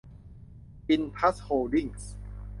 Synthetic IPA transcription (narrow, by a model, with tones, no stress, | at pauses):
pi˧npʰa˦˥shoː˧di˥˩ŋs